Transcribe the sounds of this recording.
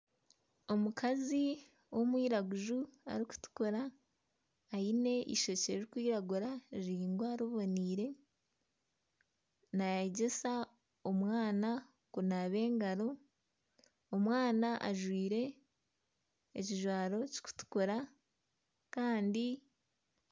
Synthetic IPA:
o̞mukazi | wo̞mwiːɾaɡuʒua̰ɾiku̥tu̥koɾaː | ine̞ʔḭʃo̞ceɾikwiːɾaɡuɾaɾiːŋɡwaːɾoβo̞niːɾe̞ | najaɟesa | omwaːna | kunaβe̞ːŋɡaɾo̞ | mwaːnaʔa̰ʒwiːɾe̞ | ciʒwaːɾo̞ci̥ku̥tu̥koɾa | kaːndi

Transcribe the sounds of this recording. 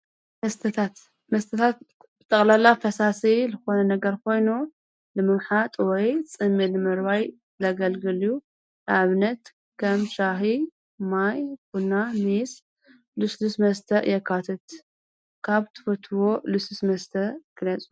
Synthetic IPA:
mɐst̪ʰɐt̪ʰat̪ | mɐst̪ʰɐt̪ʰat̪̚ | bɨt̪ʼɐχʼlalafɐsaselɨxo̞nɐnɐɡɐɾkʰo̞jnu | lɨmɨmħat̪ʼwɔjt͡sʼɨmːilɨmɨɾβaj | lɐɡɐlɡɨlju | aβnɐt̪ | kʰɐmʃaɦi | majkunːamis | lɨslusmɐst̪ʰɐʔjɛkʰːat̪ʰɐt̪ | kʰaβt̪ʰɨ̥fɐt̪ʰɨwo̞lɨsusmɐst̪ʰɐkʰɨlɐt͡sʼu̥

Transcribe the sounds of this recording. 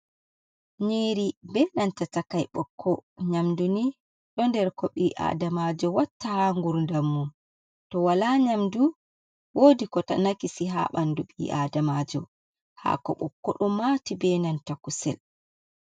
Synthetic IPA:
ɲeɾibɛːnantatakajɓɔ̰kʰːɔɲamduni | ɗɔndɛɾkɔɓiʔa̰ːdamad͡ʒɔwatːahaŋɡuɾndamːun | tɔwalaɲamdu | woːdikɔtanakisiɦa̰ɓanduɓḭʔaːdamad͡ʒɔ̰ | ha̰kɔ̰ɓɔkːɔɗɔmaːtibɛnantakusɛ̰l

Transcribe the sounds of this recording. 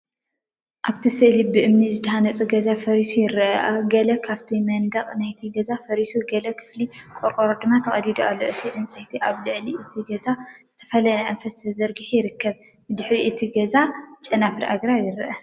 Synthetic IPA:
ʔaβt̪ʰisɨʔlibɨʔɨmnizɨt̪ʰɐhanɐt͡sʼuɡɐzafɐɾisujɪɾɐʔʔɐɡɐlɐkʰaβt̪ʰimɐnd̪aχʼnajt̪ʰiɡɐzafɐɾisuɡɐlɐkʰɨ̥flikʼoɾʼoɾod̪ɨmːat̪ʰɐχʼɐlid̪ualːo̰ʔɨt̪ʰiʔɨnt͡sʼɐjt̪ʰiʔaβlɨʕliʔɨt̪ʰiɡɐzazɨt̪ʰɐ̥fɐlɐnɐʔɐnfɐsʰɐzɐɾɡiħujɪɾɨkːɐβ | bɨd̪ɨħɾiʔɨt̪ʰiɡɐzat͡ʃʼɐnafɾiʔaɡɾaβjɪɾɐʔɐ

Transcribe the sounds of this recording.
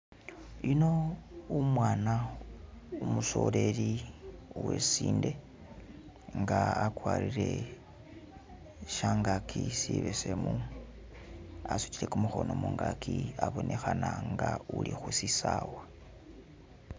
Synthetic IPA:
ino̞umwaːna | umuso̞le̞li | wesiːnde̞ | ŋɡaakwaːlile̞ | ʃaːŋɡakʰisiβesemu | asut͡ʃile̞kumuxo̞nomuːŋɡakʰiaβo̞nʔe̞xanaŋɡaulixusisawa

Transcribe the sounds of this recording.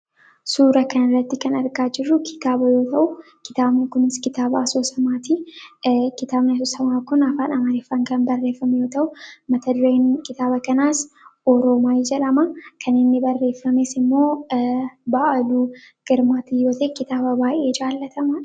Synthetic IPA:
suːɾɐkɐnɐrːɐt̪ːɪkɐnɐɾɡaːd͡ʒɪrːʊkʰɪ̥t̪aːbɐjo̞ːt̪ɐʔʊ | kɪ̥t̪aːbnikʊnɪskɪt̪aːbaːsoːsɐmaːt̪i | kɪt̪aːbnɐs̬ɔsɐmaːkʊnɐfaːnɐmɐɾeːfːɐŋkɐnbɐrːe̞ːfːɐmɛjo̞ːt̪ɐʔʊmɐt̪ʰɐd̪ʊɾeːnkɪt̪aːbɐkɐnaːs | ʔɔɾoːmaːjd͡ʒɛᶑɐmɐkʰɐnɪnːɪbɐrːe̞ːfːɐmesɪmːo̞ː | baːʔɐduː | ɡ̥ɪɾmaːt̪ijo̞ːt̪ɐekɪt̪aːbɐbaːʔe̞ːd͡ʒaːlːɐt̪ɐmɐ

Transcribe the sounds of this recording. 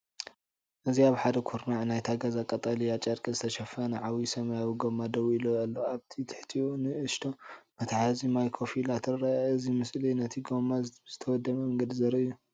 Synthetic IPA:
ʔɨziaβħad̪ɐkʰuɾnaʕnajt̪ʰaɡazakʼɐt̪ʼalijat͡ʃʼɐɾkʼizɨt̪ʰɐʃɐfɐnɨʕawisɐmɐjawiɡomːad̪ɐwuilojalːoaβt̪ʰit̪ʰɨ̥ħt̪ʰiunɨɨʃt̪ʰomɐt̪ʰaħazimajkʰofilat̪ʰɨɾɾaɨzimɨslinɐt̪ʰiɡomaz̥ɨt̪ʰɐwɔd̪ːɐmɐmɐŋɡɐd̪izɐɾɐʔɨjːu

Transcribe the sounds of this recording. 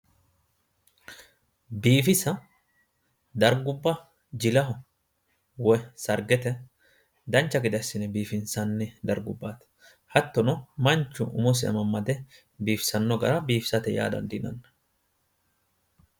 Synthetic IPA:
biːfɪsɐ | d̪ɐɾɡʊbːɐ | d͡ʒɪlɐɦʊ | wɔsɐɾɡɛt̪ɛ | d̪ɐnt͡ʃːɐɡɪd̪ɐsːɪnɛbiːfɪnsɐnːɪd̪ɐɾɡʊbːaːt̪ | hɐt̪ːɔnɔmɐnt͡ʃːʊ̰ʔʊ̰mɔs̬ɪɐ̰mɐmːɐd̪ɛ | biːfsɐnːɔɡɐ̰ɾɐbiːfsɐt̪ɛja̰ːd̪ɐ̰nd̪ɪnɐ̰nːɐ

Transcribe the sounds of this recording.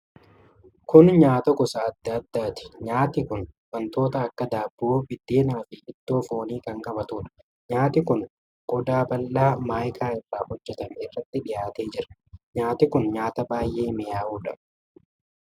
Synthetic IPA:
kʊnɲaːt̪ɐɡɔsaɐd̪ːɐɐd̪ːaːt̪ɪ̥ɲaːt̪ɪkʊnwɐnt̪o̞ːt̪ɐːkːɐd̪aːbːuːbɪd̪ːeːnaːfɪʔɪd̪̥ːoːfoːniːkɐŋkʼɐbɐt̪uːᶑɐ̥ | ɲaːt̪ɪkʊn | ɡ̥ɔd̪aːbɐlːaːmaːjkʰaːɪrːaːhɔd͡ʒːɛt̪ɐmɪrːɐt̪ːɪᶑɪjaːt̪e̞ːd͡ʒɪɾɐɲaːt̪ɪkʊnɲaːt̪ɐbaːjʔeːmɪjaːʔuːᶑɐ̰

